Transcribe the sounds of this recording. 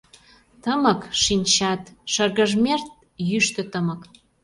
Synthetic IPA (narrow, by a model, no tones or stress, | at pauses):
t̪əməkʃinʲt͡ɕɑt̪ʃərɣə̆ʒmʲert̪̚ | jyʃt̪ə̆t̪əmə̆k